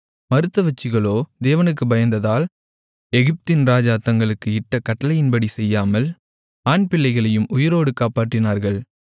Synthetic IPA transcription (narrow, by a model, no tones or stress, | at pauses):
mɐɾɯt̪ːɐʋɐt͡ʃːɪɣɐɭoːd̪eːʋɐnɯk̬ːɯbɐjɐnd̪ɐðaːl | ɛɣɪp̚t̪ɪnɾaːd͡ʒaːt̪ːɐŋɡɐɭɯkːɯɪʈːɐkɐʈːɐlɐjɪnbɐɽisɛjːaːmɐl | aːɳpɪlːɐɪɣɐɭɐjɯmʔʊjɪɾoːɽɯkaːpaːʈːɪnaːɾɣɐɭ